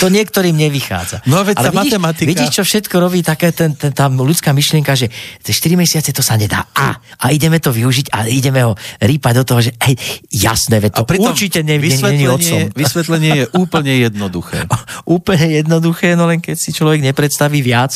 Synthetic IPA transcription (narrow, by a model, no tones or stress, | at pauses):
t̪ɔɲɪɛkt̪ɔɾiːmɲɛʋixa̰ːd͡za̰nɔaʋɛalɛaiait̪ɛmat̪iʋiɟiːʃt͡ʃɔfʃɛt̪kɔɾɔbiːt̪akɛːt̪ɛnt̪ɛt̪alut͡skaːmiʃlɪɛŋkaʒɛt̪ɛʃt̪iɾimɛsɪat͡sɛt̪ɔsaɲɛd̪a̰ːʔa̰ʔaiɟɛmɛt̪ɔʋiuʒiɟa̰iɟɛmɛɦɔɾiːpaɟd̪ɔt̪ɔɦɔʒɛɛjja̰snɛːʋɛc̚t̪ɔpɾiuɔɾt͡ʃicɛɲɛɛɛɛɲiɔsɔɛmʋisʋɛt̪lɛɲɪɛjɛʔuːpl̩ɲɛjɛd̪nɔd̪uxɛ̰ːʔuːpl̩ɲɛjɛd̪nɔd̪uxɛːnɔlɛŋkɛcsit͡ʃlɔʋɛɡɲɛpɾɛt̪st̪aʋiːʋɪat͡s